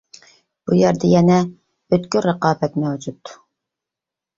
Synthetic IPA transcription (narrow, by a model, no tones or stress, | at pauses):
b̥ujɛɾd̪ɛjɛnɛ | øt̪kʲyɾəqɑːbɛt̪mɛwd͡ʒut̪